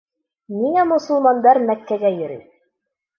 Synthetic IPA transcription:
miŋæmŏsɤ̆lˠmɑnd̪ɑɾmækːæɡæjɵ̆ɾɘ̰

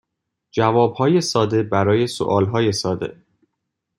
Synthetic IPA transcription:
d͡ʒævɒːbhɒːje̞sɒːd̪e̞bæɾɒːje̞so̰ʔɒːlɦɒːje̞sɒːd̪e̞̰

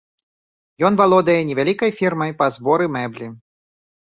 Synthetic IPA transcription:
jɔnvalˠɔd̪ɐjɛnʲɛvʲalʲikɐjfʲirmɐjpɐzbɔɾɨmɛblʲi

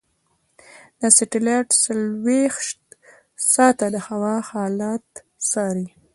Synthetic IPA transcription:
d̪əsɪʈɪlaʈsalwexʃt | sɑt̪ad̪əhawɑhɑlat̪ | sɑɾi

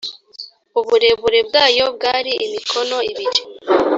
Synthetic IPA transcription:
uβuɾe̞βuɾe̞bɡaːjo̞bɡaːɾiʔimikʰono̞iβid͡ʒe̥

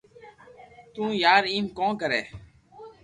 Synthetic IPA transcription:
t̪ũːjaːɾiːmkõːkəɾɛː

